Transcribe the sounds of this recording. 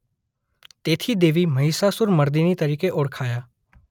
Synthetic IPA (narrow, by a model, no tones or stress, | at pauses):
t̪eːt̪ʰid̪eːʋimɐɦiːsasʊɾməɾd̪init̪əɾiːkeʔʊɽkʰaːjaː